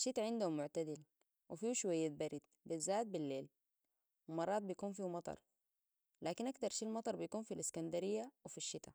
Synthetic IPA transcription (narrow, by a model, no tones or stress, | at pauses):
ʃit̪aʕɪnd̪uhumːʊʕt̪ad̪il | wifiːʃuwajːat̪̚baɾid̪̚ | bizːaːt̪̚bilːeːl | wimɑrˤːɑːt̪̚bijkuːnfimɑt̪ˤɑ̰ɾˤ | laːkinʔakt̪ɑɾˤʃiːlmɑt̪ˤɑɾˤbijkuːnfiliskand̪aɾijːawifiʃːit̪a